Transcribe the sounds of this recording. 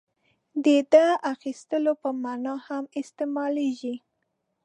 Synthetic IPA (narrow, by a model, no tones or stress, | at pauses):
d̪ed̪əʔaxist̪əlopəmanɑhamɪst̪emɑleʒi